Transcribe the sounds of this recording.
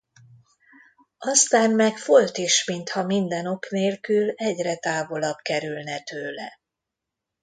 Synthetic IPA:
ɒst̪aːmːɛkfo̞lt̪iʃmint̪hɒmind̪ɛno̞kneːlkylɛɟrɛt̪aːvo̞lɒbkɛɾylnɛt̪øːlɛ̰

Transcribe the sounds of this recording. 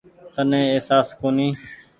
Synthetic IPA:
t̪ənẽːeːsaːskoːniː

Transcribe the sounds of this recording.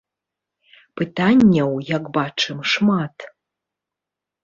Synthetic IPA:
pɨtʰanʲːɛwjakbaʈ͡ʂʰɨmʂmatʰ

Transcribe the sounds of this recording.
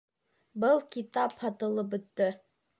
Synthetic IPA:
bɤlˠkit̪ɑphɑt̪ɤ̆lˠɤp̬bɵ̆t̪ːɘ

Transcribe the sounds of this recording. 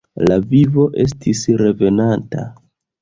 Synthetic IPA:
lavivo̞ʔe̞s̬tʰisɾe̞ve̞nanta̰

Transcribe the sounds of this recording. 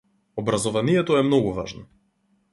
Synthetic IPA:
obɾazɔvanijɛt̪oɛmnɔɡuvaʒnɔ

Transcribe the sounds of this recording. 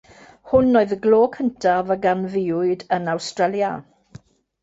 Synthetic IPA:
hʊnːoːɨðəɡloːkʰəntʰavəɡanvɪːʊɨdənawstrɛlja̰

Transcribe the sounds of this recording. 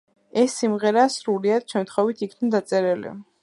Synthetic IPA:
ɛsːimʁɛɾaːsɾuliad̪ʃɛmt̪ʰχɔvit̪ʰikʰnad̪at̪sʼɛɾɛlḭ

